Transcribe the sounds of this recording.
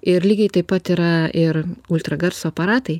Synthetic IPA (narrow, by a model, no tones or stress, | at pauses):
ɪɾlʲiːɡʲɛɪt̪ɐɪpːɐt̪iɾɐʔɪɾʊlʲt̪ɾɐɡɐɾsoːɐpɐɾɑːt̪ɐɪ